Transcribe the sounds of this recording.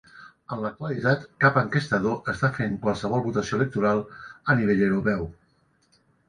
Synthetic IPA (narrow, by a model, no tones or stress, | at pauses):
ənlək̚t̪wəlit̪at̪kapəŋkəst̪əðoʔəst̪afeŋkwalˠsəβ̞ɔlˠβut̪əsioələk̚t̪uɾalˠəniβeʎəwɾupɛw